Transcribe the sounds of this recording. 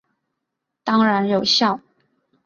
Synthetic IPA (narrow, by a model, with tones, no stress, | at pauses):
t̪ɑ˥ŋɻa˧˥njo˨˩ʊɕjɑ˥˩ʊ